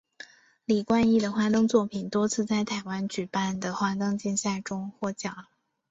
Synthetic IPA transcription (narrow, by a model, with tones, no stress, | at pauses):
li˨˩kwa˥˧ni˥˩d̪ə˩xwa˥˧t̪ɤ˥ŋt͡swɔ˥˩pʰi˨˩nt̪wɔ˥t͡sʰɹ̩˥˧t͡sa˥˩ɪt̪ʰa˨˩ɪwa˧˥nt͡ɕy˨˩pa˥˩nd̪ə˩xwa˥t̪ɤ˥˧ŋt͡ɕɛ˥˧nɕja˥˩ʈ͡ʂʊ˥ŋxwɔ˥˩t͡ɕjɑ˨˩˦